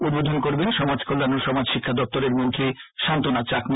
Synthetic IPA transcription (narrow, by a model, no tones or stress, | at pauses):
ud̪̚bod̪ʱonkoɾbenʃɔmad͡ʑkʰolːanoʃɔmad͡ʑʃikʰːad̪ɔp̚t̪oɾeɾmod̪ʱːeʃant̪onat͡ɕakm